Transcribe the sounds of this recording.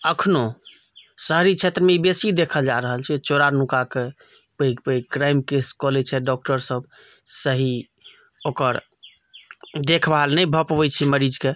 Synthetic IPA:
əkʰno | səɦɾit͡ʃʰet̪ɾəmeibesid̪ekʰəld͡ʒaɾəɦəlt͡ʃʰɛt͡ʃoɾaɾnukake | pəipəikɾajmkeskɔlet͡ʃʰɛɖɔk̚ʈəɾsəb | səɦi | okəɾ | d̪ekʰbalnɛbʱəpʋɛt͡ʃʰiməɾid͡ʒke

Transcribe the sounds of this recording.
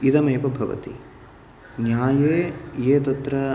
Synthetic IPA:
it̪ɐmɐːpɐbʱɐʋɐ̰t̪ḭ | njaːjeːjeːt̪ɐt̪ɾɐ

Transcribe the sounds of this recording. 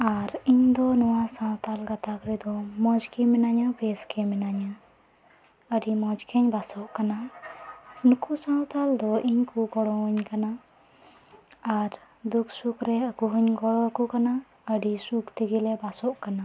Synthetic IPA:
aɾiɲd̪ɔnɔwasãwt̪alɡat̪akɾɛd̪ɔmɔd͡ʒkɛmɛnaɲabɛskɛmɛnaɲa | əɖimɔd͡ʒkɛɲbasɔʔkana | nukʰusãwt̪ald̪ɔʔiɲkuɡɔɽɔ̃əɲkana | aɾ | d̪uksukɾɛakuɦəɲɡɔɽɔkukana | əɖisukt̪iɡilɛbasɔʔkana

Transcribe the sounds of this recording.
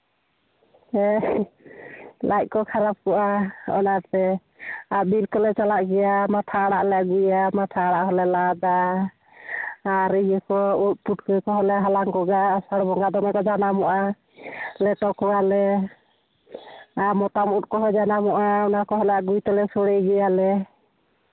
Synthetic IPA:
ɛ | lajc̚ˀkɔkʰaɾap̚kɔʔaɔ̰naɾt̪ɛ | abilkɔlɛt͡ʃalaʔɡɛjamat̪ʰaɽaʔlɛɡujamat̪ʰaɽaʔɦɔlɛlad̪a | ɾijɛkɔut̪̚puʈ̚kəjkɔɦɔlɛɦalaŋɡɔɡasaɽbɔŋɡad̪ɔŋakɔd͡ʒanamɔʔa | lɛʈɔkɔwalɛ | amɔt̪amut̚ˀkɔɦɔd͡ʒanamɔʔaɔnakɔɦɔlɛaɡujt̪ɔlɛsɔɽɛjɡɛjalɛ

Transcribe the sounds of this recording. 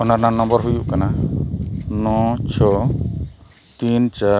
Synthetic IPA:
ɔnaɾnanɔmbɔɾɦujuʔkana | nɔt͡ʃʰɔ | t̪int͡ʃa

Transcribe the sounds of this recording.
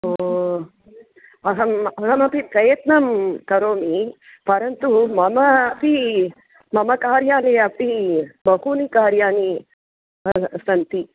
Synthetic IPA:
o | ɐɦɐmɐɦɐmɐpipɾɐjɐt̪nɐmkɐɾoːmi | pɐɾɐnt̪umɐmɐpi | mɐmɐkaːɾjaːniɐpibɐɦuːnikaːɾjaːni | sɐnt̪i

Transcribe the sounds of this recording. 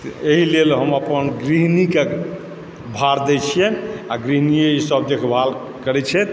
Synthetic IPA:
eɦilelɦəməpənɡɾiɦnike | bʱaɾd̪ɛt͡ʃʰijeaɡɾiɦnijeisəb̚d̪ekʰbʱal | kəɾɛt͡ʃʰɛt̪

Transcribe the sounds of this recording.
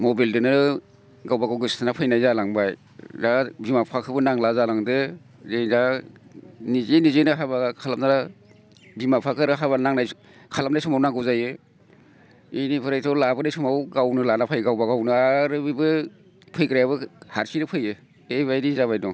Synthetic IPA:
mɔbildɯnɯ | ɡawbaɡawɡɯstʰɯnapʰɯjnajzalaŋbaj | zabimapʰakʰɯbɯnaŋlazalaŋdɯ | zenza | nizenizenɯɦabaɡakʰalam̚naɾa | bimapʰakʰɯɾɯɦaβanaŋnaj | kʰalamnajsumawnaŋɡɯwzajɯ | inipʰɯɾajtʰɔlabɯnajsumawɡawnɯlanapʰajɡawbaɡawnɯaɾɯbibɯ | pʰɯjkɾajabɯhaɾsinɯpʰɯjɯ | eβajɾizaβajnɔ

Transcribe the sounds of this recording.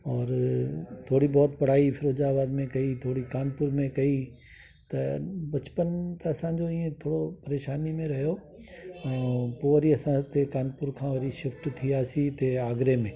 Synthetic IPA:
ɔːɾt̪ʰoːɽibɔːt̪̚pɐɽ̤aːifʰɪɾoːd͡ʑaːbaːd̪mẽkɐit̪ʰoːɽikaːnpʊɾmẽkɐi | t̪ɐbɐt͡ɕpənt̪ɐɐsãɲd͡ʑoĩːẽt̪ʰoːɽopɐɾeːʃaːnimẽɾɐɦijo | ɛ̃ːpoːʋɐɾiɐsãt̪ekaːnpʊɾkʰãːʋɐɾiʃɪfʈt̪ʰiaːsit̪eaːɡɾemẽː

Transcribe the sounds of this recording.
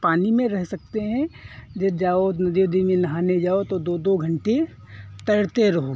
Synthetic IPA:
paːnimẽɾɛɦsɐk̚t̪eɦɛ̃d͡ʒɐbd͡ʒaːonɐd̪jod̪ʱimẽnɐɦaːned͡ʒaːot̪od̪od̪oɡʱɐ̃ɳʈe | t̪ɐɽt̪eɾɐɦo

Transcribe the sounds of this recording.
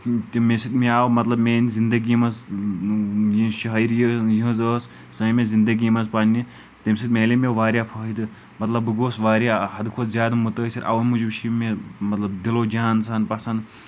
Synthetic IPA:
t̪imesit̪miaːwmɐt̪lɐbmeːnzind̪ɐɡimɐs | jiʃɐɦɐjɾjəjiɦɐ̃zəːs | sɐmẽzind̪ɐɡimɐzpanʲːi | t̪emsit̪̚meːlemeʋaːɾjaːpʰɐːɦid̪ɨ | mɐt̪lɐbɨɡoːsʋaːɾjaːɦɐd̪kʰod̪zʲjaːd̪mut̪əːsiɾʔɐ̰ʋɐnmud͡ʒibʃʰimemɐt̪lɐbd̪iloːd͡ʒaːnsanpɐsɐnd̪

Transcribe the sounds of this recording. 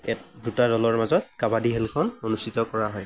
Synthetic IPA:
ɛtdutadɔlɔɹmazɔt̚kabadiɦɛlkʰɔnonustʰitɔkɔɹaɦɔj

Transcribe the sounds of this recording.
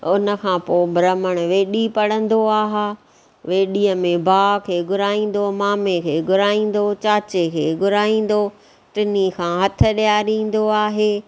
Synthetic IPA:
ʊnə̆kʰãːpoːbɾəməɽ̃ʊʋeːɗipɐɽə̃nd̪oaːɦaː | ʋeːɗiəmẽbʱaːkʰeːɡʊɾaːĩːn̆d̪omaːmekʰeːɡʊɾaːĩːn̆d̪ot͡ɕaːt͡ɕekʰeːɡʊɾaːĩːn̆d̪o | ʈɪnikʰãːɦɐt̪ʰə̆ɗijaːɾĩːn̆d̪oaːɦeː

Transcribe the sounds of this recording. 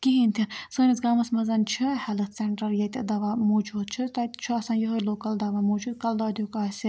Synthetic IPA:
kiɦint̪ʰinsɨːnisɡaːmɐsmɐzɐnt͡ʃʰɨhɛlɨt̪ʰseɳʈɐɾjɐt̪ed̪ɐʋamoːd͡ʒuːd̪̚t͡ʃʰɨt̪ɐt̪t͡ʃʰɨɐsãnjoɦojloːkɐld̪ɐʋamoːd͡ʒuːd̪̚kɐld̪ɐːd̪ʲjukaːsi

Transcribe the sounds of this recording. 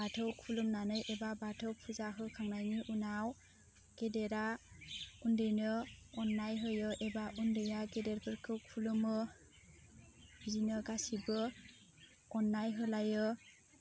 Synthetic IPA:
batʰɯwkʰulɯmnanɯjʔebabatʰɯwpʰuzaɦɯkʰaŋnajniʔunaw | ɡ̥edeɾa | undɯjnɯɔnːajɦɯjɯʔebaʔundɯjaɡedeɾpʰɯɾkʰɯkʰulɯmɯ | bizinɯɡasibɯ | ɔnːajɦɯlajɯ

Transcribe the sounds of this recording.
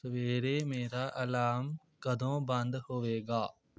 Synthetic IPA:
ʋeːɾemeːɾaːʔɐlaːm | kɐd̪ʱõːbɐ̃nd̪hoʋeːɡaː

